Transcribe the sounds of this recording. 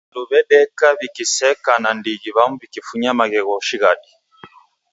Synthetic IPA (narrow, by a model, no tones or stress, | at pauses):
luβɛɗɛkaβikisɛkanandiɣiβamuβikifuɲamaɣɛɣɔʃiɣadi